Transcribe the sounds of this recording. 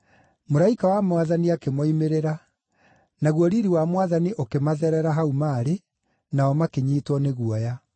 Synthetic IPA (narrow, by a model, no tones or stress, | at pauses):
moɾaikawamwaðaniakemɔimeɾeɾa | naɣwɔɾiɾiwamwaðaniʔokemaðɛɾɛɾaɦaumaːɾe | naɔmakeɲiːtwɔneɣuɔja